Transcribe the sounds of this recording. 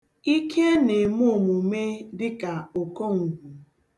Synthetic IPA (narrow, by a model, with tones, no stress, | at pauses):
i˦kʰe˦ne˨mʊ˦˨mʊ˨me˦dɪ˦ka˨o˨ko˦ŋ̩˨ɡʷu˨